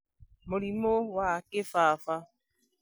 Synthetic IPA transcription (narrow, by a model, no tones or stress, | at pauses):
moɾimowaakɪfaafa